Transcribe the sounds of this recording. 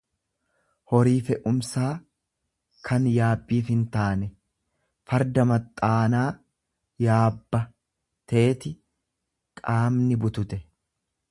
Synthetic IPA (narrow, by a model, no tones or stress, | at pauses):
hɔɾiːfɛʔʊmsaː | kʰɐnjaːbːiːfhɪnt̪aːnɛ | fɐɾd̪ɐmɐt̪ʼːaːnaː | jaːbːɐ | t̪ʰe̞ːt̪ɪ | kʼaːmnɪbʊt̪ʊt̪ɛ